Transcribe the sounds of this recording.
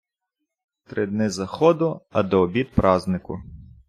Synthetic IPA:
t̪ɾɪd̪nɪzɐxɔd̪ʊɐ̰d̪ɔːbʲit̪pɾɑznɪkʊ̰

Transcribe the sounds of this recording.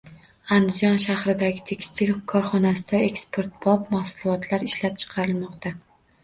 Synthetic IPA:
and̪ɪd͡ʒɒnʃahɾɪd̪aɡʲɪt̪ʰe̞kʲst̪ʰɪlkʰɒɾχɒnasɪd̪ae̞kspʰo̞ɾt̪̚b̥ɒpmahsʊlʊlˠɒt̪ʰlaɾɪʃlap̚t͡ʃʰɨ̥qʰɑɾɪlmɒqt̪a

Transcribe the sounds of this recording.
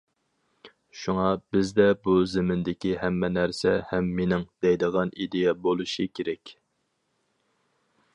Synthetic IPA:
ʃuŋɑbɪzd̪ɛbuzɪmɪnd̪ɪkʲihæmːɛnæɾsɛhɛmːenɪŋd̪̥ɛjd̪əʁɑnid̪ejɛbolˠuʃikʲʰeɾɛkʲ

